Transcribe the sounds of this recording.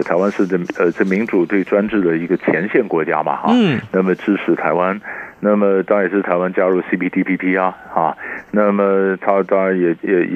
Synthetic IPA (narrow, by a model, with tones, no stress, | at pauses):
t̪ʰa˧˥ɪwa˥nʂɻ̩˥˩d̪ə˩ə˧ʈ͡ʂə˥˩mi˧˥ŋʈ͡ʂu˨˩t̪we˥˩ɪʈ͡ʂwa˥nʈ͡ʂɻ̩˥˩d̪ə˩i˧˥ɡə˧t͡ɕʰjɛ˧˥nɕjɛ˥˩nkwɔ˧˥t͡ɕja̰˥mɐ̰˨˩xɑ̰˥˩na˥˩mə˩ʈ͡ʂɻ̩˥ʈ͡ʂʰɻ̩˧˥t̪ʰa˧˥ɪwa˥nna˥˩mə˩t̪ɑ˥˧jɛ˨˩ʂɻ̩˥˩t̪ʰa˧˥ɪwa˥nt͡ɕja˥ɻu˥˩si˥pʰi˥t̪ʰi˥pʰi˥pʰi˥ɐ˧˩xɐ˥˩na˥˩mə˩t̪ʰa˥t̪ɑ˥ŋɻa˧˥njɛ˨˩jɛ˨˩˥